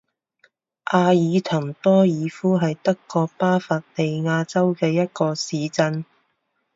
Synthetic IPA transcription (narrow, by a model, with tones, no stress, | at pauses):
ʔaː˧jiː˨˧t̪ʰɐ˨˩ŋt̪ɔː˥jiː˨˧fuː˥ɦɐ˨jt̪ɐ˥kːɔː˧k̚paː˥faː˧t̚le˨jŋaː˧t͡sɐ˥wkɛː˧jɐ˥t̚kɔː˧siː˨˧t͡sɐ˧n